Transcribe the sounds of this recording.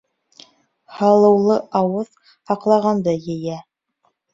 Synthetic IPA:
hɑlˠɤ̆wlˠɤʔɑwɤð | hɑqlˠɑʁɑnd̪ɤjɘ̆jæ

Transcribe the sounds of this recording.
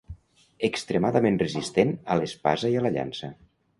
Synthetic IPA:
əkst̪ɾemaðəmenrəzist̪enəlespa̰zəiələʎa̰nsə

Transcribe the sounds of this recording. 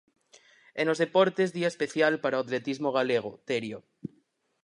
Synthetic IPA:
enlo̞zðepoɾt̪ezðiaespe̞θjalpaɾaoat̪le̞t̪izmoɣ̞aleɣ̞ot̪eɾjo

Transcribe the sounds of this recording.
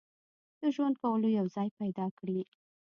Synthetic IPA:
d̪̥əʒwand̪̚kawəlojawzɑjpajd̪ɑkɽi

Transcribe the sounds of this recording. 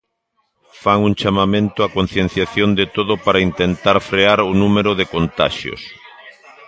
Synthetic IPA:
faŋuŋt͡ʃamamẽnt̪ʊakon̟θjen̟θjaθjond̪et̪oðʊpaɾaint̪ent̪aɾfɾeaɾʊnumeɾoðekont̪a̰ʃjo̰s

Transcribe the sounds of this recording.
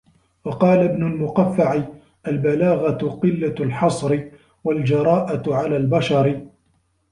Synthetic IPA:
wɑqɑːlabnʊlmʊqafːaʕɪ | ʔalbalaːɣaqɪlːalħɑsˤɾɪ | wald͡ʒɑɾˤɑːʔaʕalaːlbaʃɑɾ

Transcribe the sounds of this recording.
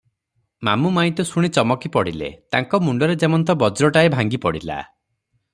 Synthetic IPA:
ma̰mumaĩt̪ɔsuɽ̃it͡ʃɔmɔkipɔɽilḛt̪a̰ŋkɔmuɳɖɔɾed͡ʒemɔnt̪ɔbɔd͡ʒɾɔʈaebʱaŋɡipɔɽila̰

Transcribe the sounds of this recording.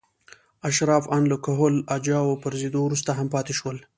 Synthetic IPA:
aʃɾɑːfanləkaɦolad͡ʒɑwopəɾzid̪owɾus̬t̪aɦampɑt̪eʃwəl

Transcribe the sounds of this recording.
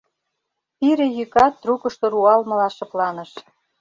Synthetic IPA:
piɾĕjykɑt̪ːrukɤ̆ʃt̪oɾuɑlmɤ̆lɑʃɤ̆plɑnə̆ʃ

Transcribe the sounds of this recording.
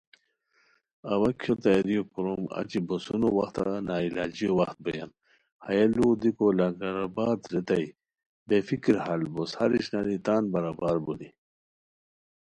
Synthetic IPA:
ɐwɐkʰjot̪aɾijopuɾomɐ̰t͡ɕibosunowɐxt̪a̰naːilaːd͡ʑijowɐxt̪̚bɐja̰n | hɐjɐlud̪ikolaŋɡaɾabaːt̪ɾet̪ɐj | befikiɾhalboshɐɾiɕnaɾit̪aːnbɐɾabaːɾbuli

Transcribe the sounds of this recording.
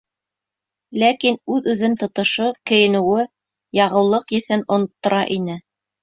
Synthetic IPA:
lækinʉðʉðɘnt̪ŏt̪ŏʃokɘ̆jɘ̆nɘ̆wɘ | jɑʁɤ̆wlˠɤqjɘ̆θɘnŏnŏt̪ːŏɾʔɑʔinɘ

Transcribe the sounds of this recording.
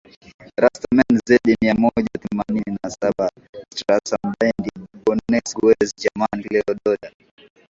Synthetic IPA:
ɾastamɛnzaiɗimiamɔʄaθɛmanininasaɓa | stɾasambajndibɔnɛsɡwɛzd͡ʒamanklɛɔɗɔɗan

